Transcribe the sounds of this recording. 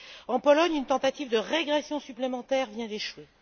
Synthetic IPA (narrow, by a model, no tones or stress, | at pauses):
ɑ̃pɔlɔɲynt̪ɑ̃t̪at̪ivd̪əʁeɡʁesjɔ̃syplemɑ̃t̪ɛːʁvjɛ̃d̪eʃwe